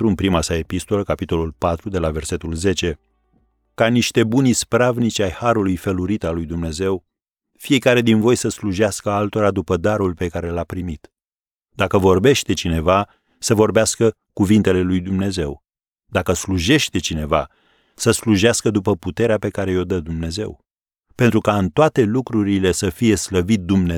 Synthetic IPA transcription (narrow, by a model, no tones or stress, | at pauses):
ɾuɨnpɾimasae̞pist̪o̞ləkapit̪o̞lulpat̪ɾud̪e̞lave̞rse̞t̪ulze̞t͡ʃe̞ | kaniʃt̪e̞bunispɾavnit͡ʃajhaɾulujfeluɾit̪alujd̪umne̞ze̞w | fije̞kaɾe̞d̪invo̞jsəsluʒeaskəalt̪o̞ɾad̪upəd̪aɾulpe̞kaɾe̞lapɾimit̪ | d̪akəvo̞rbe̞ʃt̪e̞t͡ʃine̞va | səvo̞rbeaskə | kuvint̪e̞le̞lujd̪umne̞ze̞w | d̪akəsluʒe̞ʃt̪e̞t͡ʃine̞va̰ | səsluʒeaskəd̪upəput̪e̞ɾeape̞kaɾe̞jo̞d̪əd̪umne̞ze̞̰w | pe̞nt̪ɾukaɨnt̪oat̪e̞lukɾuɾile̞səfije̞sləvit̪̚d̪umne